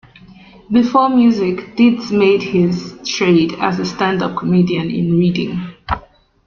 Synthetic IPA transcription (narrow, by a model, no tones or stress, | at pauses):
bɪfɔmjʉzɪkd̥ɪdsmeɪd̚hɪztʰɹ̥eɪdə̰zəstæ̃ndʌp̚kʰəmidiə̃nɪ̰̃nɹidɪ̰̃ŋ